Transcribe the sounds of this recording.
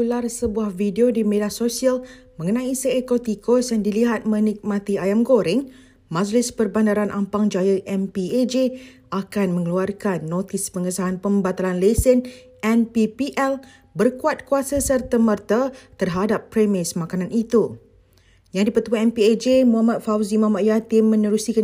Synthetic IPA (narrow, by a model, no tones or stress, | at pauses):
ularsəbuahvideodimedahsosialmə̃ŋənãisəekot̪ikosjaŋdiliɦat̪̚mə̃nik̚mãt̪iajamɡoɾɪŋ | mãd͡ʒlɪspərbandaɾanʔampaŋd͡ʒajəʔɛmpied͡ʒe | akanmə̃ŋəluarkanːot̪ispəŋəsaɦanpəmbat̪alanlesɪn | ɛnpipiʔɛl | bərkuat̪̚kuasəsərt̪əmərt̪at̪ərɦadapːɾemɪsmãkanãnit̪u | jaŋdipət̪uaɛmpied͡ʒemuɦamat̪̚fawzimaɦamaʔ̪jat̪imːə̃nəɾusika